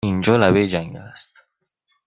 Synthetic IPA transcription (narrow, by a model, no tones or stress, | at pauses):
ind͡ʒɔːlaβed͡ʒaŋɡa̰ast̪